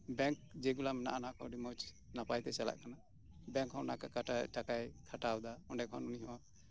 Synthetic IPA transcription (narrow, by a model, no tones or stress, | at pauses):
bɛŋk̚d͡ʒɛɡulamɛna̰ʔanakʰɔɖimot͡ʃ | napajt̪ɛsala̰ʔkana | bɛŋkhɔwnakakʰaʈaʈakajkʰaʈawd̪aɔɳɖɛkʰɔ̰nuniɦɔwa